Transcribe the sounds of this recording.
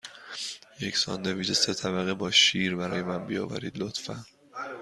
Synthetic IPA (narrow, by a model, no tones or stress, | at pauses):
je̞cʰsɒ̰ːnd̪eviːd͡ʒese̞t̪ʰæbæɣebɒːʃiːɾbæɾɒːjemænbijɒ̰ːvæ̰ɾiːd̪lot̪fæn